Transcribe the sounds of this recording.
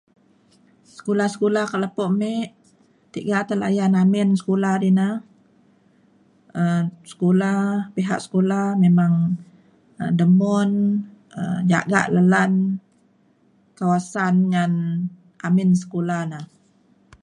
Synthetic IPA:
sə̥kolahsə̥kolahkaʔlapoʔmeʔ | t̪iʔɡaʔt̪əla̰janamɪnsə̥koladina | əsə̥kolapiɦa̰ʔsə̥kolahmemaŋ | ə̰dəmɔnə̰md͡ʒa̰ʔɡa̰ʔləlan | kawasanŋan | amɪns̬ə̥kolanah

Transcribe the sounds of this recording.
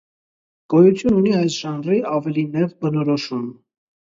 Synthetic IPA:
ɡ̥ɔjut͡s̪ʰjununiɑjsʒɑnriɑvɛlinɛvbənɔɾɔʃum

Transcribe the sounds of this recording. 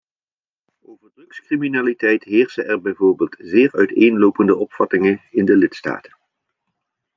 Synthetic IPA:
owvəɹdrɵkskriminaːlitɛjtɦɪːɹsəʔɛɹbɛjvoːɹbeːlˠtzɪːɹœɥtejnlowpəndəʔɔpfɑtɪŋənɪndəlɪtsta̰ːtə̥n

